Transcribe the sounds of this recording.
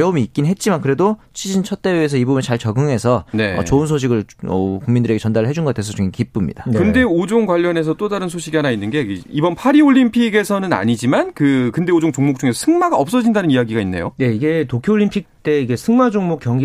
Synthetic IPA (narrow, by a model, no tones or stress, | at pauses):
jʌumiːk͈innɦe̞t̚t͡ɕ͈imankɯɾe̞dot͡ɕʰid͡ʑint͡ɕʰʌt̚t͈e̞weesʰʌibubunet͡ɕaɭt͡ɕʌɡɯŋɦe̞sʰʌe̞̰ʌ̰t͡ɕoɯnsʰoɕ̬ʰiɡɯɭʌ̰kuŋmindɯɾeɡe̞t͡ɕʌndaɾɯɭɦe̞d͡ʑunɡʌatwesʰʌt͡ɕuŋekip͈umɲḭdankɯnde̞od͡ʑoŋɡwaʎːʌne̞s̬ʰʌt͈odaɾɯnsʰoɕʰiɡiɦanainːɯnɡe̞ibʌnpʰaɾioʎːimpʰiɡe̞sʰʌnɯna̰ɲid͡ʑimankɯkɯnde̞od͡ʑoŋt͡ɕoŋmok̚t͡ɕ͈uŋe̞sʰʌsʰɯŋmaɡaʌp̚s͈ʌd͡ʑindanɯnijaɡiɡainːe̞jo̰je̞iɡe̞tokʰjoːʎːimpʰik̚t͈e̞iɡe̞sʰɯŋmad͡ʑoŋmokjʌŋɡi